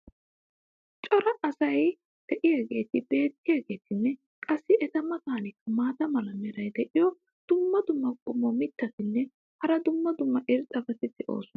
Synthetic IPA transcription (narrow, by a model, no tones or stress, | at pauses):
t͡ʃʼɔɾɐʔːsɐj | d̪̥ɛʔɪjaɡe̞ːt̪ɪbe̞ːt̪ːɪjaːɡe̞ːt̪ɪnːɛ | kʼɐsːɪɛt̪ɐmɐt̪aːnɪkːɐmaːt̪ɐmɐlɐmɛɾɐjd̪ɛʔɪjɔ | d̪̥ʊmːɐd̪ʊmːɐkʼʊmːɔmɪt̪ːɐt̪ɪnːɛ | hɐɾɐd̪ʊmːɐd̪ʊmːɐʔɪɾt͡sʼːɐbɐt̪ɪd̪ɛʔo̞̰ːsʊnɐ